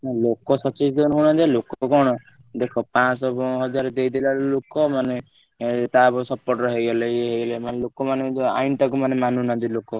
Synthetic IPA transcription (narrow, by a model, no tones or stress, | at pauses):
nalokɔsɔt͡ʃid͡ʒd̪ɔnɦuɽ̃ɔd̪ialokɔkɔɽ̃ɔ | d̪ekʰɔpãsɔbɔɦɔd͡ʒaɾɔd̪ejd̪ilalokɔmane | t̪abɔsɔpɔɾʈɔɦejɔleeɦejɔlemanelokɔmanea̰jnʈakumanemanunɔd̪ilokɔ